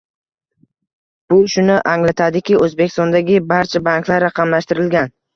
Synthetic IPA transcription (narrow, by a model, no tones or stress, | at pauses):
b̥ʊʃʊnɪʔaŋlat̪ʰad̪ɪkʲɪɵzbekʲʰɪst̪ɒnd̪aɡʲɪbaɾt͡ʃʰabaŋkʲʰlaɾːɑqʰɑmlaʃt̪ɪɾɪlɡʲan